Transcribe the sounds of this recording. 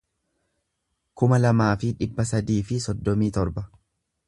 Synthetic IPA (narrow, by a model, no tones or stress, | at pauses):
kʊmɐlɐmaːfɪᶑɪbːɐsɐd̪iːfɪsɔd̪ːɔmiːt̪ɔɾbɐ